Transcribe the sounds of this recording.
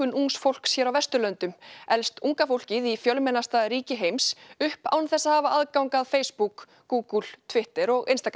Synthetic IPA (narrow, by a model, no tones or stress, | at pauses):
ʏnuŋsfowl̥ksjɛːɾawvɛst̪ʏlœnt̪ʏmɛlst̪uŋkafowl̥cɪðifjœlmɛnast̪aðɾiːcɪɦejmsʏhpa̰wnθɛsːahaːvaʔaðkawŋkaðfeːjspuk | ɡuːkəl̥t̪ʰvɪht̪ɪɾɔɣɪnst̪ak